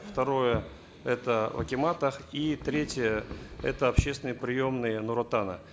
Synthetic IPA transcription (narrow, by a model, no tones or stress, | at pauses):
ft̪ɐɾo̞jə | ɛt̪əvɐ̰kʲɪmat̪əxit̪ɾʲetʲɪjəɛ̰t̪əɐpɕːest̪vʲɪnɨjpɾʲɪjo̞mnɨjənʊɾɐt̪anə̰